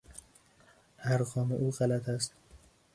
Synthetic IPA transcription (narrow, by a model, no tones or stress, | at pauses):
æɾɣɒːmeʔuːɣælæt̪ʰæst̪